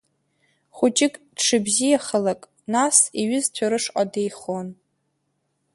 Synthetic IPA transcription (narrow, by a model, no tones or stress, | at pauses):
χut͡ʃʼɪkʼd̥ʂɨbzijaχəlakʼ | nasiɥɪztʷʰaɾɨʂqʼade̞jχon